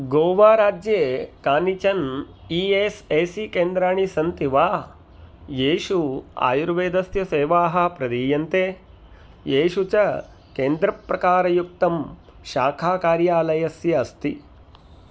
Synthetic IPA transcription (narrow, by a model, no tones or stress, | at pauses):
ɡoːʋaːɾaːd͡ʒjeːkaːnit͡ʃɐn | iːeːseːsikeːnd̪ɾaːɳisɐnt̪iʋaː | jeːʃua̰ːjuɾʋeːd̪ɐsjɐseːʋaːɦɐ̆pɾɐd̪iːjɐnt̪eː | jeːʃut͡ʃɐ | keːnd̪ɾɐpɾɐkaːɾɐjuk̚t̪ɐm | ʃaːkʰaːkaːɾjaːlɐjɐsjɐːst̪i